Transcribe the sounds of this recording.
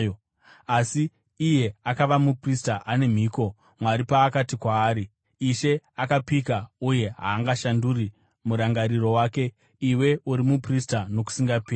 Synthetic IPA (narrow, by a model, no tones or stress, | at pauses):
o | asiː | je̞akaʋamupristaʔane̞m̤iːko̞ | mwaɾipaːkatikwaːɾiː | ʃe̞akapikauje̞ɦa̰ːŋɡaʃanduri | muɾaŋɡaɾiro̞waːke̞ | iwe̞uɾimupristano̞k̬u̥siŋɡapiː